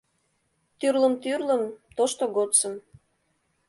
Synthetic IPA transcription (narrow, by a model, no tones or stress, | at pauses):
t̪yrləmt̪yrləmt̪oʃt̪oɣot͡sə̆m